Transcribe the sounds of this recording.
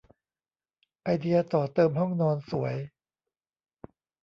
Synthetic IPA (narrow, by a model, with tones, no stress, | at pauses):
ʔa˧jdi˧ɐt̪ɔː˨˩t̪ɤː˧mhɔ˥˩ŋnɔː˧nsu˨˩˦ɐj